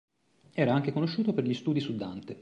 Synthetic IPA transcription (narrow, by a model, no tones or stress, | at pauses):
ɛːɾaaŋk̟ekonoʃːuːt̪operʎist̪uːd̪isud̪ant̪e